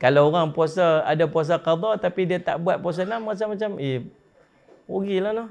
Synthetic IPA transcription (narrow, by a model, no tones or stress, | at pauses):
kalawoɣaŋpuasaadapuas̬aqad̪ɔt̪apidiat̪a̰ʔbuat̪̚puas̬anamat͡ʃamːat͡ʃami | uɡilahnɔ